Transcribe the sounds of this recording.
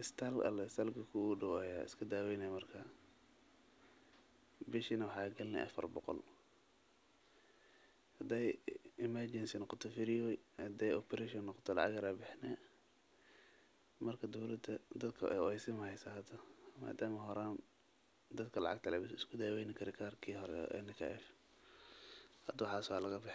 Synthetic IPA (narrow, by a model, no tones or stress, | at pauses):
ʔɪst̪ʰɐlɐ̰lɛɪst̪ʰɐlɡʰɐkʰuuɖʊwajaːɪ̰skʰɐd̪aːwɛjnɛjmɐrkʰɐ | bɪʃinɐwɑħɑːɡɐlnɛ̰ʔɐ̰fɐ̰rbɔqɔ̰l | hɐd̪ɛːjɪmɐrd͡ʒɛnsinɑqɔt̪ʰɔfɪɾɪjɔjhɐd̪ɛjɔpʰɛɾɛʃɔnːɑqɔ̥t̪ʰɔlɑ̰ʕɑ̰ɡɐɾɐbɪħnɛː | mɐrkʰɐd̪ɔwlɐd̪ɐd̪ɐd̪kʰɐʔɛ̰jɔɛjsɪmɐhɛjsɐɦɐd̪ɐma̰ːd̪aːmɐɦɔɾaːm | d̪ɐd̪kʰɐlɑ̰ʕɑ̰ɡ̚t̪ʰɐlɛbɪsɪskʰʊd̪aːwɛjnɪkʰɐɾɛkʰaːrkʰiːɦɔɾɛ̰ʔɛ̰nɪkʰa̰ʔɛ̰f | hɐd̪wɑħɑːswaːlɐɣɐbɪ